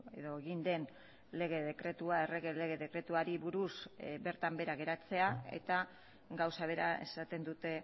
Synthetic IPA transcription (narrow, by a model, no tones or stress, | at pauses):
eðo̞eɣind̪e̞n | le̞ɣ̞e̞ðe̞kɾe̞t̪uae̞re̞ɣele̞ɣe̞ðe̞kɾe̞t̪uaɾiβuɾusbe̞ɾt̪ambe̞ɾaɣ̞e̞ɾat͡se̞ae̞̰t̪a | ɡawsaβ̞e̞ɾae̞̰sat̪e̞nd̪ut̪e̞